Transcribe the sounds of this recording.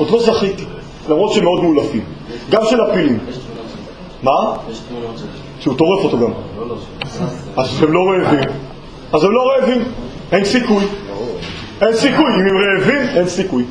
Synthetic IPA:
odlo̞zaχit | lamʁo̞t̪ʃeemeo̞d̪muːlafim | ɡamʃelapilim | ma | ʃeut̪o̞ʁefot̪oɡam | azemlo̞ʁeːvim | azemlo̞ʁeːvim | ensikuj | ensikujimemʁeːvime̞nsikuj

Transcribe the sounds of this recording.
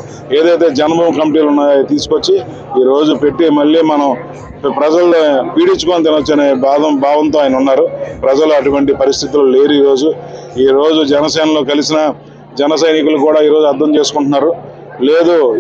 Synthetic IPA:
e̞ːd̪ɐjt̪e̞ːd͡ʒɐnboːmkɐmiʈiːlunːaːjjt̪iːsu̥kot͡ʃːi | iːɾo̞ːd͡ʒupe̞ʈːimɐɭːiːmɐnɐm | pɾɐd͡ʒɐlpiːɽit͡ʃːukoːnit̪̬inɐt͡ʃːɐneːbʱaːd̪ɐmbʱaːʋɐnt̪oːaːjɐnɐunːaːɾupɾɐd͡ʒɐluɐʈuʋɐɳʈipɐɾist̪ʰit̪̬ilule̞ːɾuiːɾo̞ːd͡ʒu | iːɾo̞ːd͡ʒud͡ʒɛnɐsɐːnɐlo̞ːkɐlisinɐ | d͡ʒɛnɐsɐjnikulukuːɽaːiːɾo̞ːd͡ʒuɐɾd̪ʱɐmt͡ʃe̞ːsu̥kuɳʈunːaːɾu | le̞ːd̪oː

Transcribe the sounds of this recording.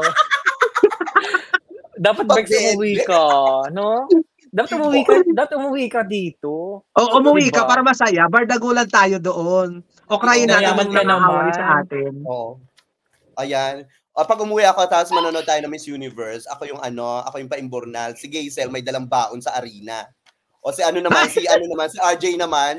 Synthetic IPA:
d̪aːpɐt̪̚ɡʊmuwikɐɐno | d̪aːpɐt̪ʊmʊwikd̪aːpɐt̪ʊmʊwikɐd̪iːt̪oʔoːʔʊmɐwikɐppaːɾɐmɐsɐjabɐɾd̪ɐɡoːlɐnt̪aːjo̞d̪oʔon | ʔo̞kɾaːjɪnaɐmɐŋnɐŋɐɦaːwɐjsɐʔaːt̪ɪno | ʔɐjan | ʔopɐɡ̚ʔʊmuːwɪʔɐkot̪aːposmɐnoːnod̪̚t̪aːjonɐmɐjsjunɪvɛɹsɐ̰ko̞jʊŋʔɐno̞ʔɐ̰ko̞jʊŋpɐʔɪmboɾnalsɪɡɛjsɛlmɐjd̪ɐlaŋbaːʔonsɐʔɐɾiːnɐ̰ | ʔosɪʔɐnonɐmmansiʔɐnonɐmansɪʔaɹd͡ʒɛjnɐman

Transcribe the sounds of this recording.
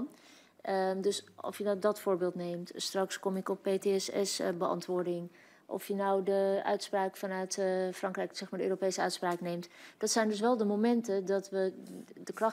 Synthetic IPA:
n | dɵsɔ̰fjənɔwdɑtfʊːɹbɪːlˠtnejmtstrɑkskɔmɪkɔpːejteɛsɛ̰sbəʔɑ̰ntʋʊːɹdɪŋ | ʔɔ̰fjənɔwdəœ̰ɥtspraːkfɑnœɥtfrɑŋkrɛjksɛxmaɹdəøːropejsəœɥtspraːknejmtd̥ɑtsɛjndɵs̬ʋɛlˠdəmowmɛntədɑtʋədəkrɑ

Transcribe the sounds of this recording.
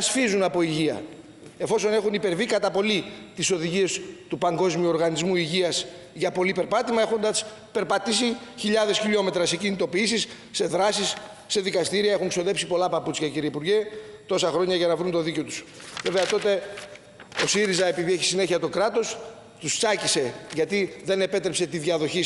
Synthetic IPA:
ɐsfizunɐpo̞iʝiɐ̰ | e̞fo̞so̞ne̞xunipe̞ɾvikɐt̪ɐpo̞lit̪iso̞ðiʝie̞st̪upɐŋɡo̞zmiuo̞ɾɣɐnizmuiʝiɐs | ʝɐpo̞lipe̞ɾpɐt̪imɐe̞xo̞nd̪ɐs | pe̞ɾpɐt̪isiçiʎɐðe̞sçiʎo̞me̞t̪ɾɐse̞cinit̪o̞piisisː | e̞ðɾɐsisː | e̞ðikɐst̪iɾiɐe̞xuŋksio̞ðe̞psipo̞lɐpɐput͡sçɐciɾiipuɾʝet̪o̞sɐxɾo̞ɲɐʝɐnɐvɾunt̪o̞ðico̞t̪us | ve̞ve̞ɐt̪o̞t̪e̞ | o̞siɾizɐe̞piðie̞çisine̞çiɐt̪o̞kɾɐt̪o̞s | t̪ust͡sɐcise̞ʝɐt̪iðe̞ne̞pe̞t̪ɾepse̞t̪iðʝɐðo̞çi

